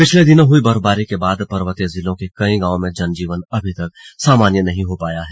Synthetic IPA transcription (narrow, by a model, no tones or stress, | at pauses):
pɪt͡ʃʰled̪ɪnõɦʊibɐɾbaːɾikebaːd̪pɐɾʋət̪ezɪlõkekɐĩɡãːõmẽd͡ʒɐnd͡ʒiːʋənɐbʱit̪ɐk̚saːmaːnjənɐɦĩɦopaːjaɦɛː